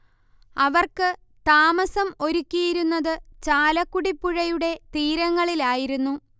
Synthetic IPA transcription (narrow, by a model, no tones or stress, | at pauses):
ɐʋɐrkɨ | t̪aːmɐsɐmo̞ɾukʲːijiɾunːɐðɨt͡ɕaːlɐkːuɽipːuɻɐjuɽe̞t̪iːɾɐŋːɐɭilaːjiɾunːu